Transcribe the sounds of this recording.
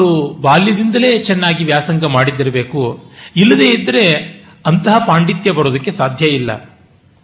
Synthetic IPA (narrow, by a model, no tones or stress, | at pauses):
ɭubaːljɐd̪ind̪ɐle̞ːt͡ʃɛnːaːɡiʋjaːsɐŋɡɐmaːɽid̪ːiɾɐbe̞ːkuilːɐd̪e̞ːid̪ːɐɾe̞ | ɐnt̪ɐɦɐpaːɳɖit̪jɐbɐɾoːd̪ɐkːe̞saːd̪ʱjɐilːɐ̰